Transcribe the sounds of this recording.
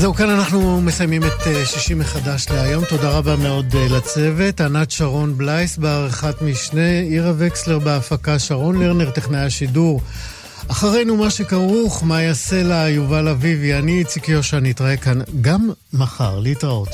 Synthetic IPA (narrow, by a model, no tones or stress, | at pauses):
zeukananaχnume̞sajmimeteʃiʃimeχadaʃleajomto̞daʁabameo̞dlat͡se̞ve̞tanat̪ʃaʁo̞nblajsbeaʁeχatmiʃneiʁaveksle̞ʁbeafakaʃaʁo̞nleʁneʁt̪eχnajaʃiduʁ | aχaʁe̞jnumaʃekaʁuχmajaselaːjuvalavivianiːt͡sikijo̞ʃaniitʁae̞kanɡamː | aχa̰ʁleitʁaot